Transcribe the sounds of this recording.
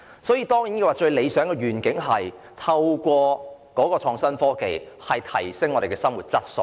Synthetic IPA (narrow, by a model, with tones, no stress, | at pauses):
sɔː˨˥jiː˧t̪ɔː˥ŋji˨˥nke˧waː˨˩t͡ʃɵ˧ɥle˨˧jsœː˨˥ŋkɛː˧ɥyː˨˩nkɪ˨˥ŋɦɐ˨j | t̪ʰɐ˧wkʷɔː˧kɔː˨˥kɔː˧t͡ʃʰɔː˨˧ŋsɐ˥nfɔː˥kḛ˨jhɐ˨jt̪ʰɐ˨˩jsɪ˥ŋɔː˨˧ɾe˨˩kɛː˧sɐ˥mwuː˨t̚t͡sɐ˥t̚so̰˧˩